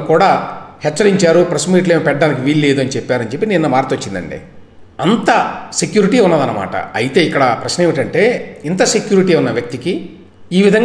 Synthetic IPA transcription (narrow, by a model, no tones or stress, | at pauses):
kuːɽaːhɛt͡ʃːɐɾiɲt͡ʃaːɾupɾɐsmiːʈleːmɐpɛʈɖaːnik̬iʋiːllːe̞ːd̪uɐnit͡ʃepːaːɾɐnt͡ʃe̞pːininːɐmaːɾt̪ot͡ʃːind̪ɐ̰ɳɖḭ | ɐnt̪ɐsekjuːɾiʈiunːɐːd̪ɐnːɐma̰ːʈɐ̰ɐjit̪e̞ːikːɐɽɐpɾɐʃnɐeʋiʈɐɳʈe̞ːint̪ɐsekjuːɾiʈiːunːɐʋjɐk̚t̪iki | iːʋid̪ʱɐŋ